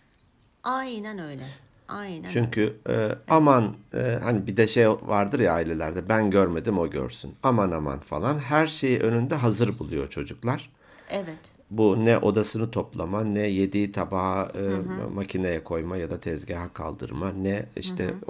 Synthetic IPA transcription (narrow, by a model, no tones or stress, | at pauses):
ajnanøjlʲɛ | aj̪t͡ʃʰyɲcʰyamanːhanibid̪ɛʃejvaɾd̪ɯɾjaːilʲe̞lʲæɾd̪ɛbænɟøɾme̞d̪imo̞ɟø̰ɾsynamanama̰nfa̰lˠanɦæɾʃe̞jiʔønynd̪ɛɦazɯɾbulˠujo̞t͡ʃʰo̞d͡ʒuklˠaɾ̥ | ɛvɛt̪ | bunɛʔo̞̰d̪asɯnɯt̪ʰo̞plˠamanɛje̞d̪it̪ʰaba | macʰinajakʰo̞jmajad̪at̪ʰɛzɟaɦakʰa̰lˠd̪ɯ̰ɾmanɛḭʃtt̪ʰɛ̰